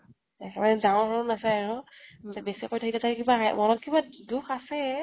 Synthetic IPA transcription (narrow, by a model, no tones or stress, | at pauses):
ɛkʰɛbanɛdaɔɹɔɹɔnasaaɹʊbesikojtʰakitataɹkibaɦajmɔnɔkkibadukʰasɛ